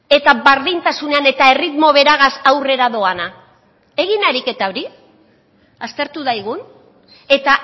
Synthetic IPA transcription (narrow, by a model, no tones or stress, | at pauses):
e̞t̪aβaɾðint̪asune̞ane̞t̪ae̞rit̪mo̞βe̞ɾaɣasawre̞ɾaðo̞ana | e̞ɣinaɾike̞t̪aoɾi | ast̪e̞ɾt̪uðajɣ̞un | e̞t̪a